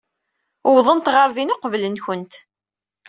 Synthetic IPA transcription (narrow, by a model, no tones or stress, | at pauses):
wðˤənt̪ʁəɾðinʊqvlənçənt̪